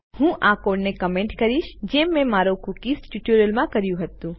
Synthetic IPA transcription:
hũʔakoːɖnekəmẽɳʈkəɾiʃd͡ʒemːẽmaːɾokukisʈjuʈuɾəlmãkəɾjũɦət̪ũ

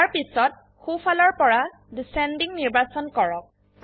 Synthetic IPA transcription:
aɹpisɔt̚ | xupʰalɔɹpɔɹa | disɛndiŋniɹbasɔnkɔɹɔk̚

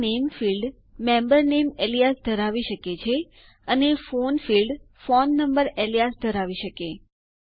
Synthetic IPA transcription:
nemfilɖ | mɛ̃mbəɾnemelijasd̪ʱəɾaʋiʃəket͡ʃʰe | ənefonfilɖfonːəmbəɾelijasd̪ʱəɾaʋiʃəke

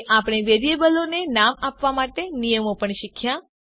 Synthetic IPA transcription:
ʔapɽ̃eʋeɾijebəlonenamapʋamaʈenijəmopəɳʃikʰjã

